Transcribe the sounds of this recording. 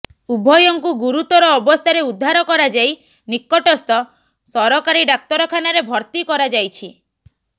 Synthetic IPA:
ubʱɔjɔŋkuɡuɾut̪ɔɾɔːbɔst̪ʰaɾeud̪ʱːaɾɔkɔɾad͡ʒaj | nikːɔʈɔst̪ɔ | sɔɾɔkaɾiɖak̚t̪ɔɾɔkʰanaɾebʱɔɾt̪ikɔɾad͡ʒajt͡ʃʰi

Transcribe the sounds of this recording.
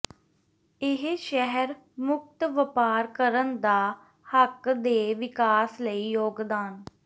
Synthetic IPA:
ɪɦʃɛɦəɾ | mʊk̚t̪ʋəpaːɾkəɾənd̪aː | həkd̪eːʋɪkaːsləiːjoːɡd̪aːn

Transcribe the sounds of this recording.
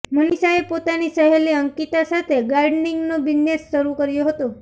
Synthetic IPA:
mənisaepot̪anisəɦeleəŋkit̪asat̪ʰeɡaɾɖniŋɡnobinːesʃəɾukəɾjoɦət̪o

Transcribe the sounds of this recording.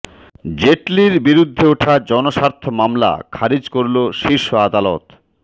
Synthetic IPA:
d͡ʑeʈliɾbiɾud̪ʱːeoʈʰad͡ʑɔnoʃaɾt̪ʰomamla̰kʰaɾid͡ʑkoɾloʃiɾʃoad̪alɔ̰t̪

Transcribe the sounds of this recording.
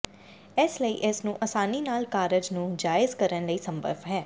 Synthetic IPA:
ɪsləḭːʔɪsnũːʔɐsaːniːnaːlkaːɾəd͡ʒnũːd͡ʒaːɪzkəɾənləiːsə̃mbʱə̰ɾʋɦɛː

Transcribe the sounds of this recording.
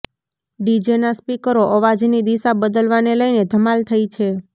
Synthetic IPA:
ɖid͡ʒenaspikəɾoʔəʋad͡ʒnid̪isabəd̪əlʋaneləjned̪ʱəmalt̪ʰəit͡ʃʰe

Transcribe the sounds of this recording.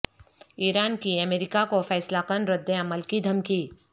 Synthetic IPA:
iːɾaːnkiɐmeːɾɪkakofɛːslakənɾɪd̪ːeɐməlkid̪ʱɐmkiː

